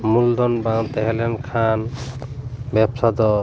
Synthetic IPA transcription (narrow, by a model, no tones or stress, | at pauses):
muld̪ɔnbaŋt̪ɛɦelemkʰan | bɛbsad̪ɔ